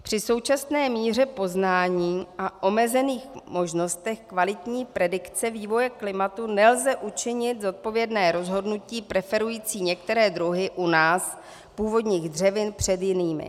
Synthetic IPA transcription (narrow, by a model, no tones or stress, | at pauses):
pr̝̥ɪso̞wt͡ʃasnɛːmiːr̝ɛpo̞znaːɲiːʔaʔo̞mɛzɛniːxmo̞ʒno̞st̪ɛxkvalɪt̪ɲiːpɾɛdɪkt͡sɛviːvo̞jɛklɪmat̪unɛlzɛʔut͡ʃɪɲɪt̪zo̞t̪̚po̞vjɛdnɛːɾo̞zɦo̞dnuciːpɾɛfɛɾujiːt͡siːɲɛkt̪ɛɾɛːd̪ɾuɦɪʔunaːs | puːvo̞dɲiːɣdr̝ɛvɪnpr̝̥ɛd̪jɪniːmɪ̰